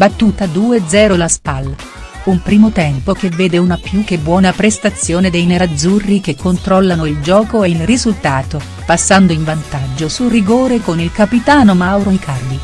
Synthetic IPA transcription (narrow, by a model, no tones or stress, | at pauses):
bat̪ːuːt̪ad̪uːed̪zɛːɾolaspalː | umpɾiːmot̪ɛmpok̟evːeːd̪eunapjuk̟ːebːwɔːnapɾest̪at̪sːjoːned̪ejneɾad̪zːurːik̟ekʰːont̪ɾɔlːanoild͡ʒɔːkoeilrizult̪aːt̪o | pasːand̪oiɱvant̪ad͡ʒːosuriɡoːɾekonilkapit̪aːnomawɾoikʰard̪i